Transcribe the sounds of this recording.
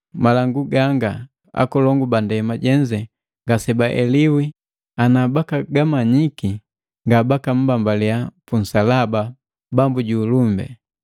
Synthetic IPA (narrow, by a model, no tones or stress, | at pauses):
malaŋɡuɡaŋɡa | a̰kɔlɔŋɡubandɛmaɟɛɲd͡ʒɛ | ŋɡasɛbaʔɛliwi | anabakaɡamaɲiki | ŋɡabakam̩bambaliapun̩salaba | bambuɟuːlumbɛ̰